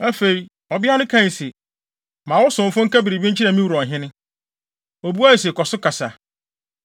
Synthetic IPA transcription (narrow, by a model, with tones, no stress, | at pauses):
a˦fe˨i˨ | ɔ˨bɪ˦a˦nʊ̃˦kʰã˦˨n˨sɛ˨ | mã˨wɔ˦sʊ̃˨m̩˨fʊ̃˦ŋ̩˦ka˦bi˨ɾi˨bi˦ɲ̩˦t͡ɕʰi˦ɾa˨mĩ˦wu˨ɾɔ̃˨nɦɪ̃˦nɪ̃˦ | o˨bu˦a˦˨s̬e˨kɔ˨sʊ˦kʰa˨sa˨